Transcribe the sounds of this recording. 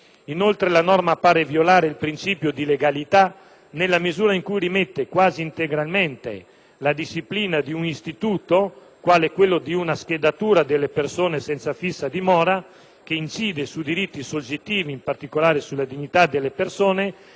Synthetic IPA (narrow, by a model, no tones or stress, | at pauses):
inolt̪ɾelanɔrmapaːɾevjolaːɾeilpɾint͡ʃiːpjod̪ileɡalit̪a | nelːamizuːɾaiŋkujɾimet̪ːekwaːziːnt̪eɡɾalment̪ḛ | lad̪iʃipliːnad̪iuŋist̪it̪uːt̪o | kwaːlɛkːwelːod̪iunask̟ed̪at̪uːɾad̪elːepersoːnesɛnt̪safisːad̪imɔːɾa | k̟eint͡ʃiːd̪esud̪iɾit̪ːisod͡ʒːet̪ːiːviːmpart̪ikolaːɾesulːad̪iɲːit̪ad̪elːepersoːne